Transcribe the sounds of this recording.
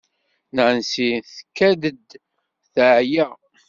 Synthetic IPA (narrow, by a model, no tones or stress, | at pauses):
nəʕənsiθkːæd̪əd̪ | θəʕjæ